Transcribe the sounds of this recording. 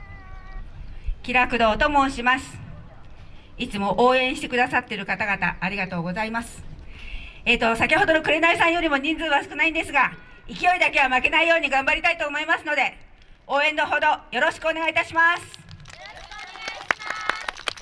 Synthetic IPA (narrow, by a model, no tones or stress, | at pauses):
kʲiɾakɯ̟d̪o̞ːt̪o̞mõ̞ɕimasɨ̥ | it͡sɨmo̞ʔoːẽ̞ɰ̃ɕi̥t̪e̞kɯd̪asat̪ːe̞ɾɯ̟kat̪aɡat̪a̰ʔːɾʲiɡat̪o̞ːɡo̞zaimasɨ̥ | e̞t̪ːosakʲiho̞d̪o̞no̞kɯ̟ɾe̞naisãɰ̃jo̞ɾʲimo̞ɲ̟ĩnd͡zɨːβasɨ̥kɯ̟naĩnd̪e̞sɨɡa | ikʲio̞id̪ake̞βamake̞naijo̞ːɲ̟iɡãmbaɾʲit̪ait̪o̞ːmo̞imasɨno̞d̪e̞ | o̞ːẽ̞nd̪o̞ɦo̞d̪o̞jo̞ɾo̞ɕi̥kɯo̞ne̞ɡait̪aɕimasɨ̥